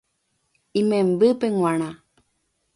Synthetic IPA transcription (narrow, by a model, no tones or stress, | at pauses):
imẽmbɨpeŋwãɽ̃ã